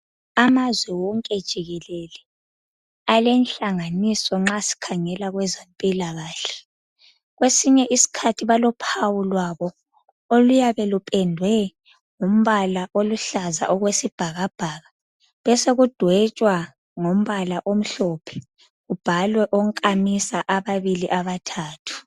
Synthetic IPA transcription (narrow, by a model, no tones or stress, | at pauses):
amazwɛwɔŋkʼɛd̥ʒ̥ʱiɣɛlɛlɛ | alɛnɬaŋanisɔŋ͡ǁasi̥kʰaŋɛlaɣwɛzempʼilaɣaːɬɛ̥ | ɣwesiɲɛʔisi̥kʰatʰiβalɔpʰawulwaβɔ | olujaβɛlupʼɛndʱwɛ | ŋum̩βalaʔoluɬaza̰ʔɔɣwesib̥ʱaɣab̥ʱaːɣa | βɛseɣud̥ʱwɛt͡ʃʼwa | ŋom̩βalaʔom̩ɬɔpʰɛ̥ | ɣub̥ʱalwɛʔoŋ̩kʼamisaʔaβaβiliʔaβatʰaːtʰu̥